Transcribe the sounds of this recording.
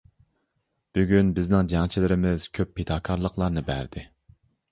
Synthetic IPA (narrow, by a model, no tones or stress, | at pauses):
b̥yɡʲynbɪznɪŋd͡ʒɑŋt͡ʃʰilɪɾɪmɪz̥kʲʰøpʰːet̪ʰɑːkʰɑɾlˠəqlˠɑɾnɨbæ̰ɾd̪ɪ